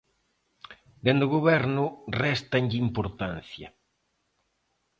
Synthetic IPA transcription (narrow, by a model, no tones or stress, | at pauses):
d̪end̪ʊɣoβɛɾnʊrɛst̪ɐɲʎɪimpoɾt̪an̟θjɐ